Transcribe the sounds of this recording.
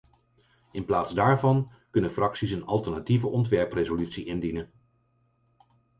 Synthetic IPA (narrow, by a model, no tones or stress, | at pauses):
ɪnplaːtzdaːɹvɑn | kɵnəfrɑksisənɑlˠtəɹnativəʔɔntʋɛɹprezolytsiʔɪndinən